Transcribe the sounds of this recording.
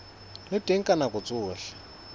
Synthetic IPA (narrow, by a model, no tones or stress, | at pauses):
lɪtʼeŋ̩kʼanakʼʊt͡sʼʊːɬɛ̥